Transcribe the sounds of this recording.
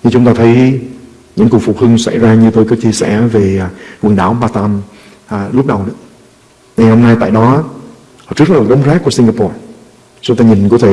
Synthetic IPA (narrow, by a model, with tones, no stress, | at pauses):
ɲɨ˧t͡ɕʊ˨˦ŋ͡mt̪aː˧t̪ʰə˨˦j | ɲɨ̰˧˥ŋku˨˩kfu˨˩hɨ˧ŋsa˧˩jzaː˧ɲɨ˧t̪o˧jkɔː˨˦˥t͡ɕi˧əsɛ̰˧˩ve˨˩˨kwɨ˨˩nɗa̰ː˧˩wɓaː˧t̪a˧m˨˩ | lʊ˦˥p̚ɗə˨˩wɗɨ̰˧˥ | ŋa˨˩jho˧mnaː˧jt̪a̰ː˧˨jɗɔ˨˦˨ | t͡ɕɨ˦˥k̚na˨˩˨ɗwŋ͡mxaː˦˥kːu˧˩si˧ŋɡaː˧pɔ˧˩ | t͡ɕʊ˧˦ŋ͡mt̪aː˧ɲi˨˩ŋku˧˩ət̪ʰe˧˨